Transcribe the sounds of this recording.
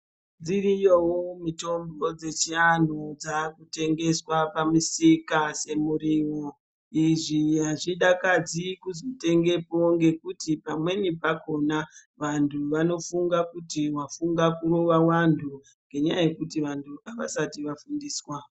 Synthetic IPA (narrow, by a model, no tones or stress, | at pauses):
d͡zirijowomito̞mbo̞d͡ze̞t͡ʃian̤od͡zakute̞ŋɡe̞swapamusikase̞muɾiwo | iʐiɦaʐiɗakad͡zikuzote̞ŋɡe̞poŋɡe̞kutipamwe̞nipako̞naʋantʰuʋano̞fuŋɡakutiwafuŋɡakuɾo̞ʋawantʰu | ŋɡe̞ɲajaje̞kutiʋantʰuaʋa̰satiʋafundiːswa